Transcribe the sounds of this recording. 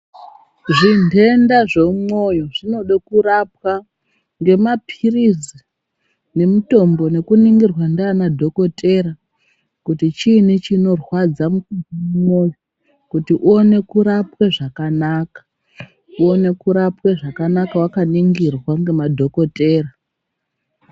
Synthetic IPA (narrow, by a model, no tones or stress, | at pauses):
ʐinde̞ndaʐe̞umo̞joʐino̞ɗakuɾap̚wa | ŋɡe̞mapʰirizi | ne̞muto̞mbo̞ne̞kuniŋɡirwandːnadʱo̞ko̞te̞ɾa | kutit͡ʃinit͡ʃino̞rwad͡zamukumo̞jo | kutiʔuone̞kuɾapweʐakanakḁ | uo̞ne̞kuɾapweʐakanakawakaniŋɡirwaŋɡe̞madʱo̞ko̞te̞ːra